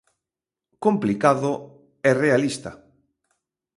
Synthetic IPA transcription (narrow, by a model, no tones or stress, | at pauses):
komplikaðʊ | ɛrealist̪ɐ